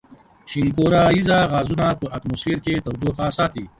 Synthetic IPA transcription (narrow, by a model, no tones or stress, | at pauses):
ɕiŋkoːɾaizaɣaːzunapəʔɐt̪mosfiːɾket̪ɐwd̪uxasaːt̪i